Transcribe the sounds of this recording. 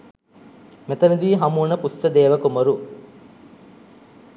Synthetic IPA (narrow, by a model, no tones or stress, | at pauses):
met̪ɐnɐd̪iːɦɐmuːnɐpusːɐd̪eːʋɐkumoɾu